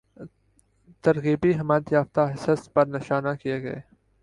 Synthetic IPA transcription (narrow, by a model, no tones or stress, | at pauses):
t̪ɐɾɣiːbiɦɐmaːd̪jaːft̪aɦɪsəspɐɾnɪʃaːnakijeɡɐ̰ḛː